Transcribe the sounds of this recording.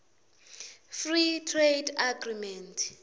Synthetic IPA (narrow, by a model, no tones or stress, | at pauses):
fritʰredaɡrimɛntʰʼ